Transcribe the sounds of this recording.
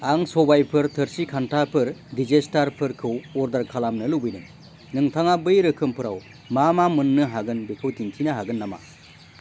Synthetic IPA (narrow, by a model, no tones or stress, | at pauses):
aŋsɔbajpʰɯɾtʰɯɾsikʰantʰapʰɯɾdizestaɾpʰɯɾkʰɯwɔɾdaɾkʰalamnɯlubɯjdɯŋ | nɯŋtʰaŋabɯjɾɯkʰɯmpʰɯɾaw | mamamɯnːɯɦaɡɯnbikʰɯwtiŋtʰinɯɦaɡɯnːama̰